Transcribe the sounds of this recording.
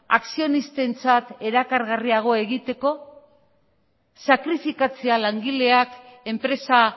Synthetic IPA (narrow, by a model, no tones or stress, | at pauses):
aksio̞nist̪e̞nt͡sat̪e̞ɾakaɾɣariaɣ̞o̞e̞ɣit̪e̞ko̞ | sakɾifikat͡se̞alaŋɡile̞ake̞mpɾe̞sa